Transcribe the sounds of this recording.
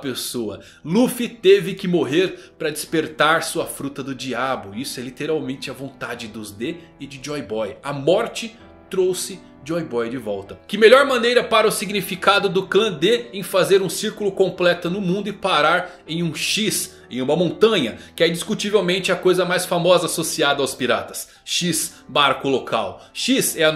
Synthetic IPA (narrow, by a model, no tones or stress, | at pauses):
ɐpesoɐ̰ | lufit̪evɪkɪmoɦeɾpɾɐd͡ʒɪspeɾt̪aɾsuɐfɾut̪ɐd̪ʊd͡ʒiabʊisʊɛlit̪eɾawmẽnt͡ʃɪɐvõnt̪ad͡ʒɪd̪ʊzd̪e | ɪd͡ʒɪd͡ʒɔjbɔjɐmɔɾt͡ʃɪ | t̪ɾowsɪ | d͡ʒɔjbɔjd͡ʒɪvɔwt̪ɐkɪmelɔɾmɐ̃nejɾɐpaɾɐʊsiɡnifikad̪ʊd̪ʊklɐ̃d̪eẽj̃fazeɾũsiɾkulʊkõmplɛt̪ʊnʊmũnd̪ʊɪpaɾaɾ | ẽj̃ũʃis | ẽj̃ũmɐmõnt̪ɐ̃ɲɐkɪɛĩnd͡ʒiskut͡ʃivewmẽnt͡ʃɪɐkojzɐmajsfamɔzɐasosiad̪ɐawspiɾa̰t̪ɐ̥s | ʃis | baɾkʊlokʰawʃizɛɐ